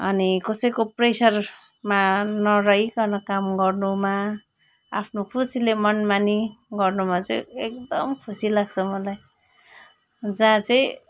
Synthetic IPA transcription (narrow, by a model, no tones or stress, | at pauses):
ʌ̰nikʌsʌjkopresʌr | manʌɾʌɦikʌnʌkamɡʌrnuma | a̰pʰnokʰusilemʌnmaniɡʌrnumat͡sʌ̰jekd̪ʌmkʰusilaɡt͡sʰʌmʌlaj | d͡zãt͡sʌĩ